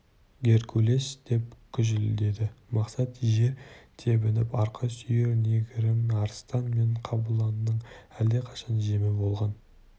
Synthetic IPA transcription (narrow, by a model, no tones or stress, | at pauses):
ɡʲe̞ɾkʲʰule̞sd̪̥e̞pkʲʰʏʒɪld̪e̞d̪ɪmɑqsɑt̪ʒe̞ɾt̪ʰe̞bɪnɪpɑɾqʰɑsʏjeɾne̞ɡʲɪɾɪmɑɾst̪ɑnme̞ɴqʰɑbulˠɑnːəɴæld̪eqʰɑ̥ʃɑnʒe̞mɪbo̞lˠʁɑn